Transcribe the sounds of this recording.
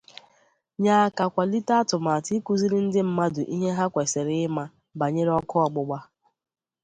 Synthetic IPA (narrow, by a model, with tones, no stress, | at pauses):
ɲa˨a˨ka˨kʷa˨li˦ta˦a˦tʊ˨ma˨ti˦ku˦zi˦ɾɪ˦n̩˦dɪ˦m̩˦ma˦dʊ˨ʔi˦ɦe˦ɦa˦kʷe˨se˨ɾɪ˦ɪ˦ma˦ | ba˨ɲe˦ɾe˦ɔ˦kɔ˦ɔ˨ɡ͡bʊ˦ɡ͡ba˦